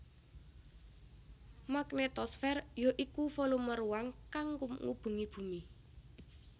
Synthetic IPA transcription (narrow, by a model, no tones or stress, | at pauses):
maknet̪ɔsfɛrjoʔikufoluməɾuwaŋkaŋkumŋṵb̥ṳŋib̥ṳmi